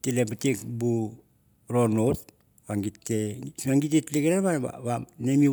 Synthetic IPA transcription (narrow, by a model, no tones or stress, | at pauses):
tilebatikbu | ɾonot̚ | βaŋɡitːesaŋɡit̬itliɡeɾaβanba̰βanemi